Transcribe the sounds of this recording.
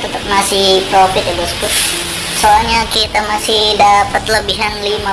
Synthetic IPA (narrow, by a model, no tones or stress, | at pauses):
t̪ət̪əp̚masɪhpɾofɪt̪̚aɡasə̥kʊt̪̚ | soalɲakit̪amasɪhdapət̪̚ləbiɦanlima